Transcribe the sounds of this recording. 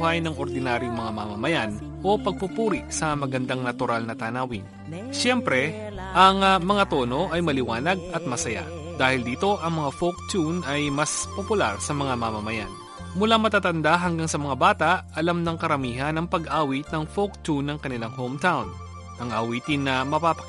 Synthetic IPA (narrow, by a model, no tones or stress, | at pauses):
hɐjnɐŋʔo̞ɾd̪ɪnaːɾjoŋmɐŋama̰mɐmɐjan | ʔo̞pɐɡ̚pupuːɾɪʔsɐmɐɡɐnd̪aŋnɐt̪ʊɾalnɐt̪aːnaːwɪn | ʃɛmpɾɛ | ʔɐŋmɐŋat̪o̞ːno̞ʔɐjmɐlɪwaːnɐɡ̚ɐt̪̚mɐsɐja̰ | d̪aːhɪld̪iːt̪o̞ʔɐŋmɐŋafok̚t̪unɐjmɐspopʊla̰ɾsɐmɐŋamamɐmɐja̰n | mʊlamɐt̪aːt̪ɐnd̪aɦɐŋɡaŋsɐmɐŋabaːt̪aʔʔɐlamnɐŋkɐɾɐmiːɦɐnɐŋpɐɡʔaːwit̪nɐŋfokt̪unːɐŋkɐnɪlaŋhomt̪awn | ʔɐŋʔɐwiːt̪ɪnːɐmɐpapɐ